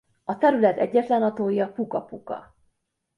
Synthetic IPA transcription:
ɒt̪ɛɾylɛt̪ɛ̰ɟːɛt̪lɛnɒt̪oːjiɒpukɒpukɒ̰

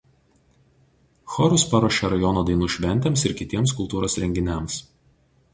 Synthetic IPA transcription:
xɔɾʊspɐɾoːʃʲɛɾɐjɔnoːd̪ɐɪnuːʃʲʋʲɛnʲt̪ʲeːmsɪɾkʲɪt̪ʲiɛmskʊlˠt̪uːɾoːsɾʲɛŋʲɡʲɪnʲɛms

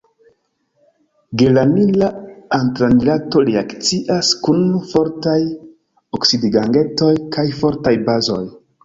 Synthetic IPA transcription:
ɡelanilaantɾanilato̞ɾeakt͡siʔaskunfo̞ɾtaj | oksidiɡaŋɡe̞to̞jkʰajfo̞ɾtajbazo̞j

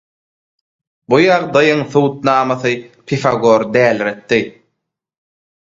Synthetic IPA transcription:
bujɑʁd̪ɑjɯŋθuːt̪̚nɑːmɑθɯpʰifɑɡo̞ɾd̪æːlɾet̪ːi

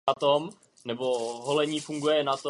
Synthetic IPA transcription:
at̪om | nɛboɦolɛɲiːfuŋɡujɛnat̪o

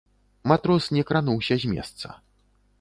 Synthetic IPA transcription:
mat̪ɾɔsnʲɛkɾanuwsʲɐzʲmʲɛ̰st̪sɐ̰

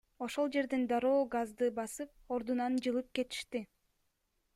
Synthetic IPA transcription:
o̞ʃo̞lˠd͡ʒe̞ɾd̪end̪ɑɾo̞ːɡazd̪ɯbɑsɯp̚o̞ɾd̪unɑnd͡ʒɯlˠɯp̚ke̞t̪i̥ʃt̪i

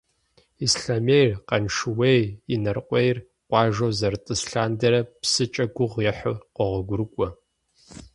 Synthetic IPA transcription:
isɬaːmejrqɐnʂɨweːjinɐrqʷʼejr | qʷɑːʒɐwzɐrtʼɨsɬaːndɐɾɐpsɨt͡ʃʼɐɡʷʊʁjɛħʊqʷɔʁʷɔɡʷʊɾɨkʷʼɔ

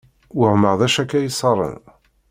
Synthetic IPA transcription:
wəʕməʁðæʃækːæjəsˤɑɾˤə̰n

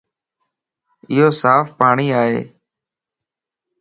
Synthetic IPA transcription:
ɪɦoːsaːfpaːɳiːaːɦḛː

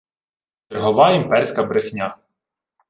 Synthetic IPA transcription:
t͡ʃɛrɦɔʋɑimpɛɾʲsʲkɐbɾɪxnʲa

